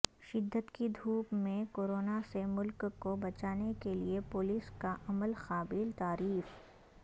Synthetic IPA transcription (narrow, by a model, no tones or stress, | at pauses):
ʃɪd̪ːət̪kid̪ʱuːpmẽkoːɾoːnasemʊlkkːobɐt͡ʃaːnekeliepʊːliːskaʔɐməlxaːbilt̪aːɾiːf